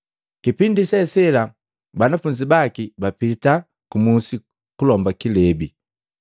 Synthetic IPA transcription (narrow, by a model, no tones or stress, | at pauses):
kipindisɛsɛla | banafuɲd͡ʒibakibapita | kumusi | kulɔmbakilɛbi